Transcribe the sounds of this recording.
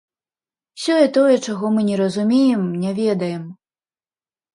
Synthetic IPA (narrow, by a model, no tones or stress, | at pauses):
wsʲɔjɛt̪ɔjɛt͡ʂaɣɔmɨnʲɛɾɐzumʲejɛmnʲɛvʲɛd̪ɐjɛm